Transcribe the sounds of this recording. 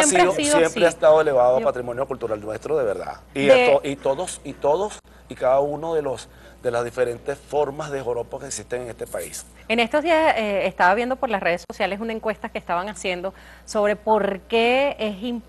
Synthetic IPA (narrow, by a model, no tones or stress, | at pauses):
sjemɾeaoiðsojempɾeast̪aðoeleβaðoapat̪ɾimonjokult̪uɾalnwe̞st̪ɾoðe̞βeɾða̰ieoʔit̪oðosit̪oðos | ikaðaunoðe̞los | d̪e̞lazðifeɾe̞nt̪esfo̞ɾmazðexoɾopokeksist̪eŋeŋest̪epaḭs | ene̞st̪ozðiaseest̪aβaβje̞nd̪o̞po̞ɾlasre̞ð̞e̞so̞sjale̞sunae̞ŋkwe̞st̪akeːst̪aβaŋasje̞nd̪o̞ | so̞βɾe̞po̞ɾkeesim